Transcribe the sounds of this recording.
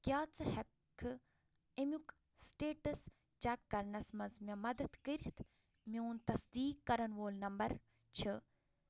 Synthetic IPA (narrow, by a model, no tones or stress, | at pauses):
kʲjaːt͡sʰɨhɐkʰːɨ | emʲuk | sʈeːʈɐs | t͡ʃakːɐɾnɐsmɐnzmʲɐmɐd̪ɐt̪kəɾit̪ʰ | meunt̪ɐsd̪iːkːɐɾɐnʋoːlnɐmbɐɾ | t͡ʃʰɨ